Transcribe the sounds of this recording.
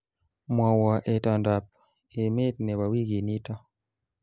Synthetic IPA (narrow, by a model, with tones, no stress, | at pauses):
mwɔ˨wɔ˨ʔe˨tɔ˨nda˨p̚ | e˨me˦t̚nɛ˨wa˨wi˦ɡi˨ni˦tɔ˦